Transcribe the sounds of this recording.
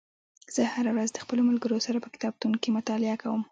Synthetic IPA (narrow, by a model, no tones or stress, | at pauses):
z̥əhaɾawɾazd̪əxpəlomalɡəɾosaɾapəkɪ̥t̪ɑb̚t̪unkimʊt̪ɑlɪakawəm